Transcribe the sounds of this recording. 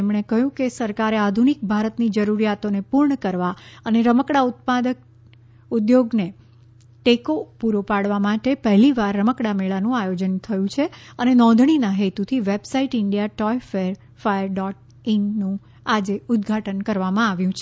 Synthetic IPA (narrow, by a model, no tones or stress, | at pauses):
emɳ̃ekəɦjũkesəɾkaɾead̪ʱunik̚bʱaɾət̪nid͡ʒəɾuɾijat̪onepuɾɳəkəɾʋaəneɾəməkɽaut̪̚pad̪ək̚ | ud̪joɡne | ʈekopuɾopaɽʋamaʈepəɦliʋaɾːəməkɽameɭanũajod͡ʒənt̪ʰəjũt͡ʃʰeənenɔ̃d̪ʱɳinaɦet̪ut̪ʰiʋebsaiʈɪɳɖijaʈɔjfeɾ | fajəɾɖɔʈ̚ | innũ | ad͡ʒeʊd̪ɡʱaʈənkəɾʋamãaʋjũt͡ʃʰe